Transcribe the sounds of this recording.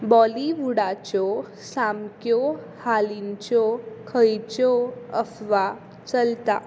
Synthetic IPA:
bɔliʋuɽat͡ɕɔ | samkjɔ | halint͡ɕɔkʰəjt͡ɕɔəfʋa | t͡səlt̪a̰

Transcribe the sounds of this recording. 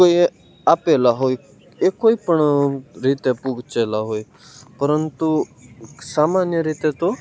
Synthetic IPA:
koi | apelaɦoj | ekoipəɳɾiːt̪epuɡʱt͡ʃelaɦoːj | pəɾənt̪u | saːmanjəɾiːt̪et̪o

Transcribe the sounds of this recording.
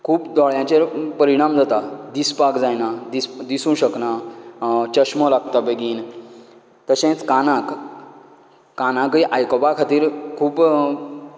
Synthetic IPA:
kʰuːpd̪ɔɭjãt͡ɕepəɾiɽ̃amd͡zat̪ad̪ispakd͡zajnad̪isd̪isũːɕəkna | t͡ɕəɕmɔlaɡt̪abeɡiːn | t̪əɕẽt͡skanãk | anãkiʔajkɔpakʰat̪iːɾkʰuːb

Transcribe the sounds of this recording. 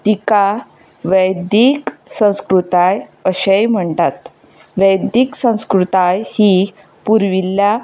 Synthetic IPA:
t̪ika | ʋəjd̪iksə̃w̃skɾut̪ajəɕejm̤əɳt̪at̪ | ʋəjd̪iksə̃w̃skɾut̪ajhi | puɾʋilja

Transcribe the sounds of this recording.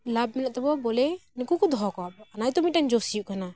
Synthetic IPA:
lab̚mɛnaʔ̚t̪ɛbɔbɔlɛnikukɔd̪ʱɔɦɔkɔwabɔanajt̪ɔmiand͡ʒɔsijuʔkana

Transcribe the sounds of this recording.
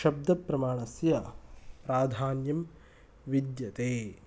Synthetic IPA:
ʃɐb̚d̪ʱɐpɾɐmaːɳɐsjɐpɾaːd̪ʱaːnjɐm | ʋid̪jɐt̪eː

